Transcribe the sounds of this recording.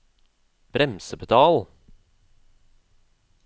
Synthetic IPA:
b̥ɾɛmsəpʰət̪ʰɑːl

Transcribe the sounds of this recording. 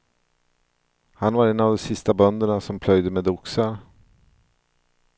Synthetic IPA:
hanvaɾɛnːavd̪ɔsɪst̪abœnd̪əɳasɔmpʰlœjd̪əmɛd̪ʊksaɾ

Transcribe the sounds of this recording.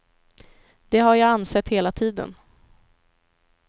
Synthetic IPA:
d̪̥ɛɦaɾjaːansɛt̪ːheːlat̪ʰiːd̪ə̰n

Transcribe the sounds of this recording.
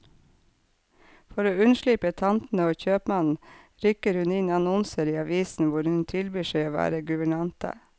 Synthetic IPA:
fɔɾoːʉnʃɭipət̪ʰɑnt̪n̩əoːçøːpmɑnn̩ | ɾʏkəɾhʉnɪnɑnɔnsəɾiːɑʋiːsn̩ʋʊɾhʉnt̪ʰɪlbyːʃeɪoːʋæ̰ːɾəɡʉʋəɳɑnt̪ə̰

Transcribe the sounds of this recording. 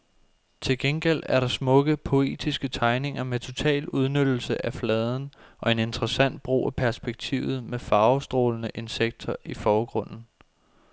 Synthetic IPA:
t͡sʰe̝lɡ̥enɡ̥el̰dæɐɾɑ̈smɔ̽ɡ̥əpʰo̝e̝̰ːd̥isɡ̥ət͡sʰɑ̈ɪne̝ŋɐmet͡sʰo̝t͡sʰɛ̰ːluð̞ˠnød̥l̩səʔæflɛːð̞ˠn̩ʔɒ̽e̝ne̝nd̥ʁɐsæn̰d̥̚b̥ʁo̝̰ːʔæpʰæɐsb̥eɡ̥̚t͡sʰḭːʊð̞̩ˠmefɑ̈ːʊsd̥ʁo̝ːlnəʔe̝nseɡ̥̚d̥ʰɐʔifɒːɡ̥ʁɔ̽n̰n̩

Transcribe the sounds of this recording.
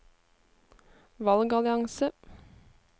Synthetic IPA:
ʋɑlɡɑlɪɑŋsə

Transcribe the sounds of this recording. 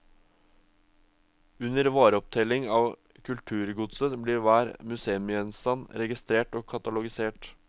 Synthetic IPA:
ʉnəɾʋɑːɾəɔp̚t̪ʰɛlɪŋɑːʋ | kʰʉlt̪ʰʉːɾɡʊd̪sət̪bliːɾʋæːɾmʉseːʉmɪœnst̪ɑnɾɛɡɪst̪ɾeːʈoːkʰɑt̪ɑlʊɡɪseːʈ

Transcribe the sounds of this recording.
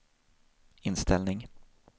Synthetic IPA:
ɪnst̪ʰɛlnɪŋ

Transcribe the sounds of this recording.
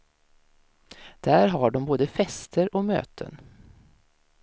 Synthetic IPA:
d̪̥æːɾɦaɖɔmboːd̪əfɛst̪ʰəɾɔmø̰ːt̪ʰə̰n

